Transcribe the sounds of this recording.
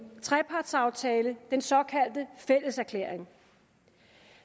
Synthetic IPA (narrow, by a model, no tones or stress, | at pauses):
t͡sʰʁɛpʰɑ̈ːd̥sɑ̈ʊt͡sʰɛːləd̥ensɒ̽kʰæl̰d̥əfel̰əsæɐkʰlḛɐ̰eŋ